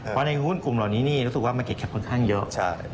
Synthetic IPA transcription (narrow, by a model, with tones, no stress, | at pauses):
pʰɔ˦˥na˧jɦu˥˩nku˨˩mlaː˨˩wniː˦˥niː˥˩ɾu˦˥sɯ˨˩k̚waː˥˩m˧nke˨˩t̚kʰɛ˨˩kʰo˧nkʰaː˥˩ŋjɤ˦˥ʔt͡ɕʰa˥˩j